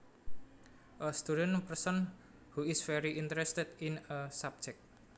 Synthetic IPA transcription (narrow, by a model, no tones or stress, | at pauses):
ʔəst̪uɾənpərsɔn | huɪsfɛɾiʔint̪əɾɛst̪ɛd̪inəsab̚d͡ʒɛk̚t̚